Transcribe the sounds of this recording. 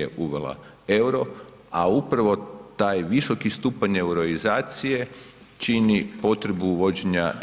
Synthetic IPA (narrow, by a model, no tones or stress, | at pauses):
eʔuʋela̰ | ewɾo̞ | aupɾaʋo̞t̪aːjʋiso̞kist̪uːpaɲe̞wɾoizaːt̪sije̞ | t͡ʃinipo̞t̪ɾe̞buʋo̞d͡ʑeɲa